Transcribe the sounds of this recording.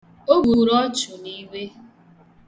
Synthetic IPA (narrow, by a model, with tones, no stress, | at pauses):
o˦ɡu˨ɾɔ˦t͡ʃʊ˨ni˦we˦